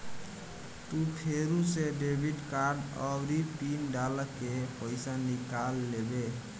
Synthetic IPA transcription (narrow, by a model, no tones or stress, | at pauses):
t̪upʰeɾuseɖebʱiɖkaɾɖəbɾipinɖaləkepəjsanikalːebe